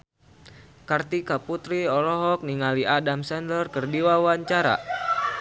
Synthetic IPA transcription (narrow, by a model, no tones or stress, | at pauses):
kart̪ikaput̪ɾiɔlɔɦɔk̚niŋaliadamsɛndərkərdiwawaɲt͡ʃaɾa̰